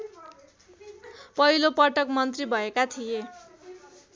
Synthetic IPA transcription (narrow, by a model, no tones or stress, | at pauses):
pʌɦilopʌʈʌkmʌnt̪ribʱʌekat̪ʰije